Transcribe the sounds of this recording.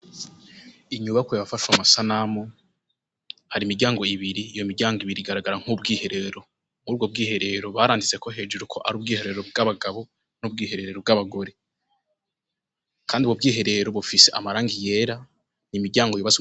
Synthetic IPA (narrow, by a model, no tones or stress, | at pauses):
iɲuːβakejaβafaʃwamasanamo | haɾimiɾɟaːŋɡo̞iβiɾiːjo̞miɾɟaːŋɡoiβiɾiɡaɾaɡaɾaŋ̥ub̚ɡiːhe̞ɾe̞ɾo̞ | uɾuːbɡo̞b̚ɡiːhe̞ɾe̞ɾo̞βaɾaːndit͡se̞ko̞ɦe̞ːd͡ʒuɾukʰo̞ʔaɾuːb̚ɡiːheɾe̞ɾobɡaβaɡaβo̞ | nuːb̚ɡiːhe̞ɾe̞ɾeɾo̞bɡaβaɡo̞ɾe̞ | kʰaːndiuβɡob̚ɡiːɦe̞ɾe̞ɾo̞βufise̞ʔa̰maɾaːŋɡije̞ːɾa | nimiɾɟaːŋɡojoβaz